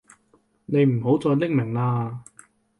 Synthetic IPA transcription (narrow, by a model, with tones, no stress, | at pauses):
ne˨˧jm̩˨˩ɦo˨˥wt͡sɔː˧jlɪ˥k̚mɪ˨˩ŋlaː˧